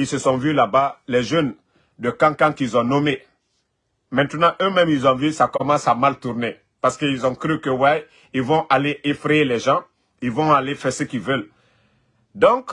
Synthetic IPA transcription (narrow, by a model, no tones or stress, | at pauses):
ilsəsɔ̃vylabalɛʒøn | d̪əkãkãkilzɔ̃nɔme | mɛ̃nt̪ənɑ̃ʔømɛ̃milzɔ̃vysakɔmɑ̃samalt̪uɾne | paʁsə̥kəilzɔ̃kɾykəwɛ | ilvɔ̃ʔaleefɾejelɛʒɑ̃ | ilvɔ̃alefɛʁsəkilvɛl | d̪ɔ̃k